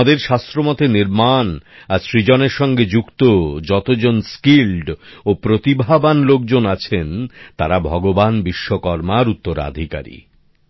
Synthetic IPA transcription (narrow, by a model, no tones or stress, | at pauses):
d̪eɾʃast̪ɾomɔt̪eniɾman | aʃɾid͡ʑɔneɾʃɔŋɡed͡ʑukt̪od͡ʑɔt̪od͡ʑonskilɖopɾot̪ibʱabanlok̚d͡ʑonat͡ɕʰent̪aɾabʱɔɡobanbiʃːokɔɾmaɾut̪ːoɾa̰d̪ʱika̰ɾḭ